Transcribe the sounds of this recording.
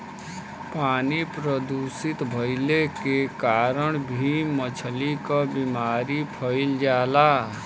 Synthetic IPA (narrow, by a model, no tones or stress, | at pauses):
paːnipɾəd̪usit̪bʱəɪlekekaːɾəɳ̃bʱimət͡ʃʰlikəbimaːɾipʰəɪld͡ʒaːla